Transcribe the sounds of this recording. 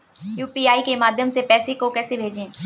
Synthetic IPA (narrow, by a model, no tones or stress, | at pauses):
juːpiaːikemaːd̪ʱjəmsepɛːsekokɛːsebʱeːd͡ʒẽː